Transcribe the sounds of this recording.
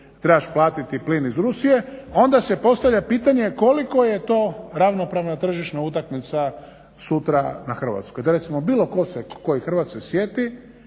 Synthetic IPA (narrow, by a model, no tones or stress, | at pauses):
t̪ɾebaʃplˠaːt̪it̪iplinizɾusije̞o̞nd̪asepo̞st̪aʋʎʲapiːt̪aɲe̞ko̞liko̞je̞t̪o̞ːɾaʋno̞pɾaʋnat̪r̩ʒiʃnaut̪̬akmit̪sa | sut̪ɾanaxr̩ʋa̰t̪skojd̪oɾe̞t̪simobiːlo̞ko̞seko̞jixr̩ʋat̪skesjet̪i